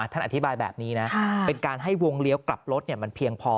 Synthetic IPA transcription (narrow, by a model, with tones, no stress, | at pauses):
t̪ʰa˥˩nʔa˨˩t̪ʰi˦˥baː˧jbɛ̰ː˨˩p̚niː˦˥na˦˥e˧nkaː˧nɦa˥˩jwo˧ŋli˦əwkla˨˩p̚ɾo˦˥t̪̚ni˥˩əma˧npʰi˧əŋpʰɔː˧